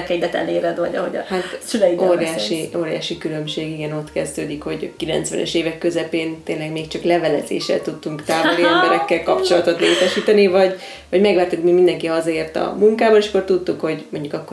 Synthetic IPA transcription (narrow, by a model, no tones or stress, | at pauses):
kɛɲd̪ɛt̪ɛ̰leːɾɛd̪vɒɟɒɦhoɟɒ̰hat̪sylɛioːɾjaːʃio̞ːɾja̰ːʃikylø̞mʃeːɡiɡɛno̞t̪kɛzd̪øːd̪ikho̞ɟkilɛ̰nt̪sʋɛ̰nʔɛ̰ʃeːvɛkːø̞zɛpeːnt̪eːnlɛɡmeːkt͡ʃɒklɛvɛlɛzḛːʃːɛ̰lt̪ut̪ːuŋkt̪aːvoliɛmbɛɾɛkːɛlkɒpt͡ʃo̞lɒt̪o̞t̪leːt̪ɛʃiːt̪ɛnivɒɟ | vɒɟmɛɡʋaːɾt̪ukmimind̪ɛŋkiɒzɒeːrt̪ɒ̰muŋkaːbɒneːʃɒ̥kːort̪ut̪ːukho̞ɟmo̞ɲɟukɒkːo